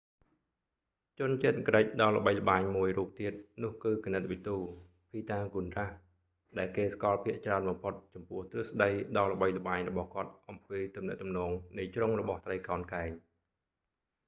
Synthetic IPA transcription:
t͡ɕʊ̆ənt͡ɕiət̪̚kəɾəc̚ɗɑːlə̆ɓəjlə̆ɓaːɲmuəjruːp̚t̪iət̪̚nʊ̆əhkɨːkanət̪̚ʋit̪uː | pʰiːt̪aːŋkunrah | ɗaɛlkeːskɑːlpʰiəʔt͡ɕraənɓɑmpʰot̪̚t͡ɕɑmpʊ̆əht̪rɨhsɗəjɗɑːlə̆ɓəjlə̆ɓaːɲrɔɓɑhkŏət̪̚ʔɑmpiːt̪umnɛ̆əʔt̪umnɔːŋnɨjt͡ɕroŋrɔɓɑht̪rəjkaɔnkaɛɲ

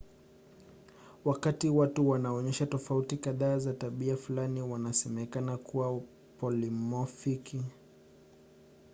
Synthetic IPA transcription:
wakatiwatuwanaɔɲɛʃatɔfautikaðaːzataɓiafulaniwanasɛmɛkanakuwa | pɔlimɔfiki

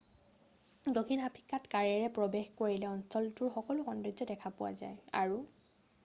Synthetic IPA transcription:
dokʰinapʰi̥kːatkaɹɛɹɛpɹɔbexkoɹilɛɔnsɔltʊɹxɔkɔlʊkɔndɹid͡ʒɔdɛkʰapʊwa̰za̰ja̰ɹu

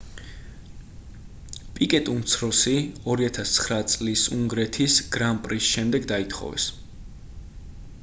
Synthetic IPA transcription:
pʼikʼɛt̪ʼumt̪sʰɾɔsiɔɾiat̪ʰast̪sʰχɾat̪sʼlisṵŋɡɾɛt̪ʰisɡ̥ɾampʼɾisʃɛmd̪ɛɡd̪ait̪ʰχɔ̰vɛ̰s

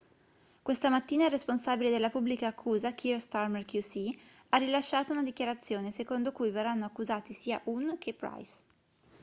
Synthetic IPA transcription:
kwest̪amat̪ːiːnairesponsaːbiled̪elːapubːlikaːkʰːuːzak̟ʰist̪armerkjusi | arːilaʃːaːt̪ounad̪ikjaɾat̪sːjoːnesekond̪okujverːanːoakːuzaːt̪isiːa̰ʔunk̟ʰepːɾa̰js

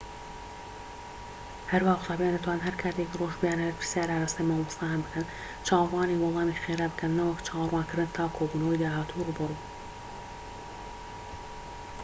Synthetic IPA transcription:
hɐɾwaːʊ̥sɑːbijand̪ɨt̪ʰwaːnnɦɐɾkʰaːt̪ʰeːkroːʒbɨjaːnhɐɾpɨ̥sjaːɾaːɾaːst̪ɐmawlɨst̪ɑːjanbɨkʰɐn | t͡ʃʰɑːwrwɑːniːwɔlˠɑːmixeːɾabɨkʰɐnːɐwɐkt͡ʃʰɑːwrwɑːnkɨɾd̪ɨnt̪ʰɑːkʰoːbuːnɐwjd̪aːɦaːt̪ʰuruːbɨruː

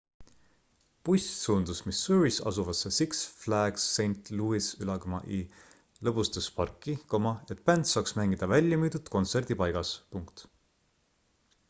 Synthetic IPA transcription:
pujssuːnd̪̥usmisːuɹisɑ̰suvɑsːesiksflæɡ̥sːe̞jnt̪ˑluːisylɑkomɑ̰ʔi | lɤpust̪ɑspɑrkːˑiko̞mɑet̪̚ˑpænt̪sɑːksmæŋɡ̥id̪̥ɑvælʲjɑmyːd̪ut̪ko̞nt̪se̞rd̪̥ipɑjɡ̥ɑspuŋkt̪

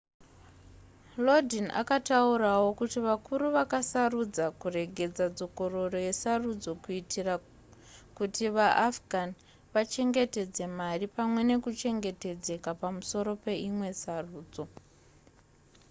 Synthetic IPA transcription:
lodʱinʔa̰kataurawo̞kutiʋakuɾuʋakasarud͡zakure̞ɡʱe̞d͡zad͡zo̞ko̞ro̞ro̞je̞sarud͡zo̞kuitira | kutiʋaʔafɡʱan | ʋat͡ʃe̞ŋɡe̞te̞d͡ze̞maripamwe̞ne̞kut͡ʃe̞ŋɡe̞te̞d͡ze̞kapamuso̞ɾo̞pe̞imwe̞saruːd͡zo̞

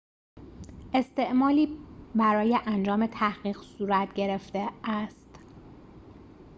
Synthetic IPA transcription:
ʔe̞st̪e̞ʔmɒːliːbæɾɒːjeʔænd͡ʒɒːme̞t̪ʰæhɢiːɢ̥suːɾæt̪ʰɟe̞ɾe̞ft̪eæst̪

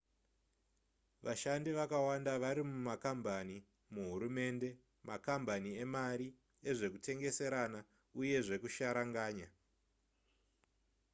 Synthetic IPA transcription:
ʋaʃandiʋakawandaʋaɾimumakambani | muɦuɾume̞ːnde̞ | makambaniemaɾi | e̞ʐe̞kutʰe̞ŋɡe̞se̞ɾana | uje̞ʐe̞kuʃaɾaŋɡaːɲa

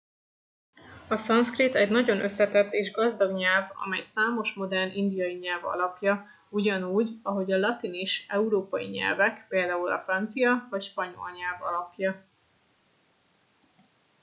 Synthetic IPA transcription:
ɒsɒnskrit̪ɛɟnɒɟo̞nʔø̞sːɛt̪ɛt̪ːeːʒɡɒzd̪ɒɡɲɛlvɒ̰mɛjsaːmo̞ʃmo̞d̪ɛrnʔind̪ijɒjiɲɛlvɒ̰lɒpjɒ | uɟɒnuːɟɒɦo̞ɟɒlɒt̪iniʃɛuɾoːpɒjḭɲɛ̰lvɛkpeːld̪aːulɒ̰frɒnt̪sijɒvɒcʃpɒɲo̞̰lɲɛlvɒ̰lɒpjɒ

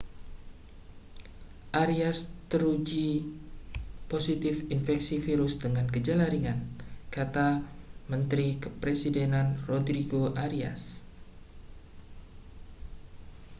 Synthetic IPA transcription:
ʔaɾiast̪əɾud͡ʒi | posit̪ɪfinfɛksifiɾʊsdəŋankəd͡ʒalaɾiŋankat̪amənt̪ɾikəpɾesidenanrodɾiɡoʔaɾia̰s

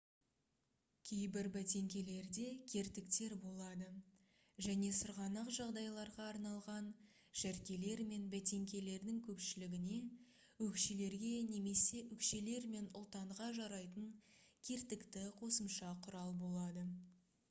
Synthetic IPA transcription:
kʲʰe̞jbɪɾbæt̪e̞ŋkʲe̞le̞ɾd̪e̞kʲʰe̞ɾt̪ɪkt̪e̞ɾbo̞lˠɑd̪ə | ʒæne̞sʊɾʁɑnɑqʒɑʁd̪ɑjlˠɑɾʁɑːɾnɑlˠʁɑn | ʒ̥æɾkʲe̞le̞ɾme̞nbæt̪e̞ŋkʲe̞le̞ɾd̪ɪŋkʲʰɵpʃɪlɪɡʲɪne̞ | wɵkʃele̞ɾɡʲe̞ne̞me̞se̞ʔʏkʃe̞le̞ɾme̞nʊ̰lˠt̪ɑɴʁɑʒɑɾɑjt̪əŋkʲʰe̞ɾt̪ɪkt̪ɪqʰo̞səmʃɑqʰʊɾɑlˠbo̞lˠɑd̪ə

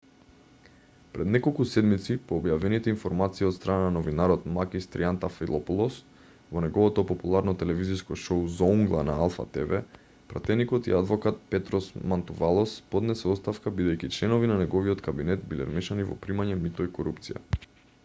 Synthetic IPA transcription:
pɾɛd̪nɛkolˠkusɛd̪mit̪sipɔːbjavɛnit̪ɛinfɔɾmat̪siːɔt̪st̪ɾanananɔvinaɾɔt̪makist̪ɾiant̪afilˠɔpulˠɔs | vɔnɛɡɔvɔt̪ɔpɔpulˠaɾnɔt̪ɛlɛviziskɔʃouzɔuŋɡlˠanaalˠfa̰t̪ɛvɛ | pɾa̰t̪ɛnikɔt̪ḭad̪vɔkat̪̚pɛt̪ɾɔsmant̪uvalˠɔspɔd̪nɛsɛɔst̪afkabid̪ɛjkit͡ʃlɛnɔvinanɛɡɔviɔt̪kabinɛt̪bilɛ̰ɾmɛʃanivɔ̰pɾimaɲɛmit̪ɔikɔɾupt̪sija̰

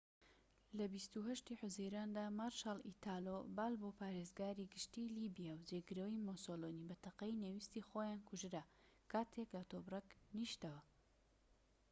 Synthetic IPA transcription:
lɐbist̪uhɐʃt̪iːħʊzejɾaːnd̪aːmaɾʃalit̪ʰaːlobaːlboːpaːɾezɡaːɾiɡɨʃt̪ilibijawd͡ʒeɡɨɾəwimosoloːnibɐt̪ɐqɐjnewist̪ixojaːnkʰʊʒɨɾa | kʰaːt̪ʰeklɐt̪oːbrɐkniʃt̪ɐwɐ

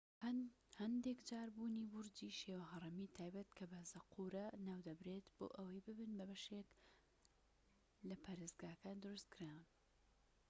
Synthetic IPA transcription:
hɐnd̪ekd͡ʒaːɾbuːniːbʊɾd͡ʒiʃewɐɦɐrˤɨmiːt̪ʰaːjbɐt̪kʰɐbɐzɐqʰuɾɐnaːwd̪ɐbɾet̪b̥o̰ːʔɐwɐjbɨbɨnbɐbɐʃek | lɐpʰaːɾezɡaːkaːnd̪ɨɾust̪̚kʰɨɾaːwɨn

